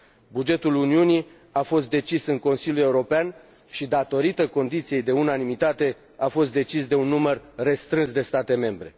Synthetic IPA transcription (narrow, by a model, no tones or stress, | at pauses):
bud͡ʒe̞t̪uluniuni | afo̞st̪̚d̪e̞t͡ʃisɨŋko̞nsilʲjulje̞uɾo̞pean | ʃid̪at̪o̞ɾit̪əko̞nd̪it̪sije̞jd̪e̞unanimit̪at̪e̞ | afo̞st̪̚d̪e̞t͡ʃisd̪e̞unːumərre̞st̪ɾɨnsd̪e̞st̪at̪e̞me̞mbɾe̞̰